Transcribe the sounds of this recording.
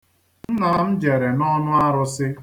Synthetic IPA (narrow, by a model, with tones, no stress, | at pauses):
n̩˦na˨˦m̩˦d͡ʒe˨ɾe˨nɔ˦nʊ˦a˦ɾʊ˦sɪ˦